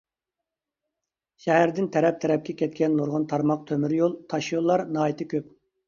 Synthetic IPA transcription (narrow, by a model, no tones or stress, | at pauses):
ʃɛɦæɾd̪ɪnt̪ʰɛɾɛp̚t̪ʰɛɾɛp̚kʲɛkʲʰɛt̪̚kʲɛnːoɾʁʊnt̪ʰɑɾmɑq̚t̪ʰømyɾjolˠt̪ʰɑʃjolˠːɑɾnɑːjit̪ʰɪkʲøp̚